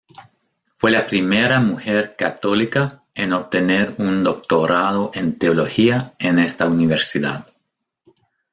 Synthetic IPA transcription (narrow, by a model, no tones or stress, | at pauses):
fwe̞lapɾimeɾamuxeɾka̰t̪olika | enoβ̚t̪eneɾund̪o̞k̚t̪o̞ɾaðoʔent̪eolo̞xiaenest̪auniβeɾsiða̰ð